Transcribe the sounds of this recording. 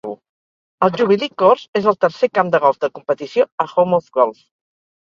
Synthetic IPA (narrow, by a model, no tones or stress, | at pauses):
ṵ | əlˠʒuβ̞ilikoɾzezəlˠt̪əɾsekamd̪əɣɔlˠzd̪əkumpət̪isioəxomofɡɔlˠf